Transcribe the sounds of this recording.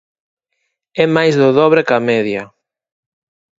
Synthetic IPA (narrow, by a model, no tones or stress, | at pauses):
ɛmajzðʊðɔβɾekɐmɛðjɐ